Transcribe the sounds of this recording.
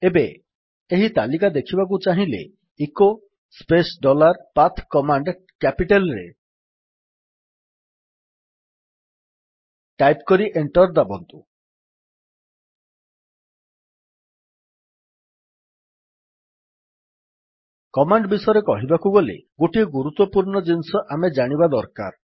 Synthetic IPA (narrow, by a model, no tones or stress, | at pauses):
ebe | eɦit̪alikad̪ekʰibak̬ut͡ʃaɦĩlḛ | iko | spesɖɔlaɾpat̪ʰkɔmaɳɖ | kɛpiʈelɾḛ | ʈajpkɔɾiʔeɳʈɔɾd̪abɔnt̪u | kɔmaɳɖbisɔjɾekɔɦibakuɡɔlḛɡoʈieɡuɾut̪ːɔpuɾɳɔd͡ʒinsɔʔamed͡ʒaɽ̃ibad̪ɔɾka̰ɾ